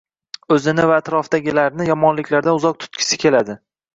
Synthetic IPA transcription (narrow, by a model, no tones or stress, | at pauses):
ɵzɪnɪvaːt̪ɾɒfd̪aɡʲɪlaɾnɪjɒmɒnlɪkʲlaɾd̪anʊzɒq̚t̪ʰʊ̥t̪kʲʰɪ̥sɪ̥kʲʰe̞lad̪ɪ